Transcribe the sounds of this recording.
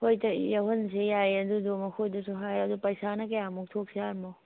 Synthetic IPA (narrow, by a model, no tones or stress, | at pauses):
hojt̪ɐjɐɦunsejajɐd̪ud̪omɐkʰod̪usuɦajɐd̪upɐjsanɐkejamuk̚t̪ʰoksʰeaɾmɔw